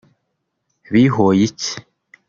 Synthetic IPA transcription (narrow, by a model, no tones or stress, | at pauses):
βiɦojici̥